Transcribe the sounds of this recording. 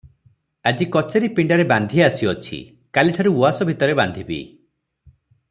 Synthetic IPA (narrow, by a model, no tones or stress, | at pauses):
ad͡ʒikɔt͡ʃeɾipiɳɖaɾeband̪ʱiasiɔt͡ʃʰḭ | kaliʈʰaɾuuasɔbʱit̪ɔɾeband̪ʱibḭ